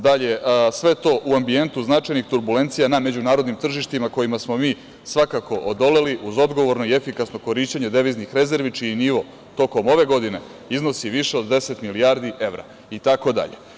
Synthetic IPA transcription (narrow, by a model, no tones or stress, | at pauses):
d̪aʎe̞sʋe̞t̪o̞ːʔuambie̞nt̪uznat͡ʃajnixt̪uɾbule̞nt̪sijaname̞d͡ʑunaːɾo̞d̪nimt̪r̩ʒiʃt̪imako̞jimasmo̞miː | sʋakako̞ʔod̪o̞le̞liʔuzo̞d̪ɡo̞ʋo̞ɾnoie̞fikasno̞ko̞ɾiʃt͡ɕeɲed̪e̞ʋiznixɾe̞ze̞ɾʋit͡ʃiiniʋo̞ | t̪o̞ko̞mo̞ʋe̞ɡo̞d̪ine̞ | izno̞siʋiʃe̞o̞d̪ːe̞se̞t̪miliaːɾd̪iʔe̞ʋɾa̰ | it̪ako̞d̪a̰ʎe